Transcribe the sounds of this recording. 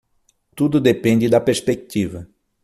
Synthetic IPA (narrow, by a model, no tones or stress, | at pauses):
t̪ud̪ʊd̪epẽnd̪ɪd̪ɐpeɾspek̚t̪ivɐ